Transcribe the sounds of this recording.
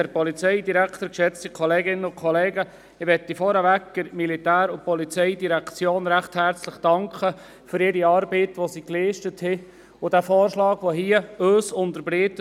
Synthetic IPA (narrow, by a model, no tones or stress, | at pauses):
ɛɾpɔlit͡sɛɪdiɾækʰtəɾkʃɛt͡st̪ikʰɔleːɡɪnəʊkʰχɔleːɡə | ɪʋɛt̪ːifɔɾəʋækɡɪɾmilitæːɾʊpɔlit͡sɛɪdiɾækt͡sjoːnɾæχthæɾt͡slɪχd̥ɑŋkχə | fʏɾɪɾiɑːɾbitʋosiːkliːʃtəthɪ | ʊd̥æfɔːɾʃlɑːɡʋoɦiəøːsʊnd̪əɾbɾiːt